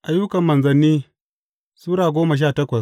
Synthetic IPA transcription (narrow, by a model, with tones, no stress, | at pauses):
ʔa˨ju˦kɐ˨mːɐ˨nzɐ˨nːiː˦ | suː˦ɾaː˨ɡʷoː˦mɐ˨ʃ̬aː˦˨tɐ˦kʷɐ˨s